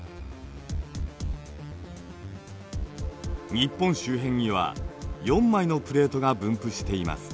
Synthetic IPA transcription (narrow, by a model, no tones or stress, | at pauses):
ɲ̟ipːõ̞ɰ̃ɕɨːɦẽ̞ɲːiβa̰jõ̞mːaino̞pɯ̟ɾe̞ːt̪o̞ɡabɯ̟̃mpɯ̟ɕi̥t̪e̞ima̰sɨ̥